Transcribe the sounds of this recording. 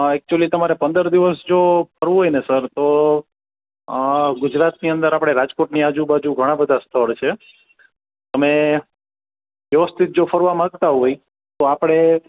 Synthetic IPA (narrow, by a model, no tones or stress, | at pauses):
ɛk̚t͡ʃuəlit̪əmaɾepə̃nd̪əɾd̪iʋəsd͡ʒopəɾʋũɦojnesəɾt̪o | ɡʊd͡ʒɾat̪niənd̪əɾapɽ̃eɾad͡ʒkoʈniad͡ʒubad͡ʒuɡʱəɽ̃ãbəd̪ʱast̪ʰəɭt͡ʃʰe | t̪əme | ʋjəʋəst̪ʰit̪̚d͡ʒofʰəɾʋamãɡt̪aɦoi | t̪oapɽ̃e